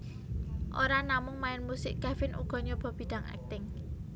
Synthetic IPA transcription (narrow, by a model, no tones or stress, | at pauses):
ʔoɾanamʊŋmaɪnmusɪʔɡ̥afɪnʔṵɡ̥ɔ̤ɲɔb̥ɔ̤b̥i̤d̥a̤ŋɛ̰k̚t̪ɪŋ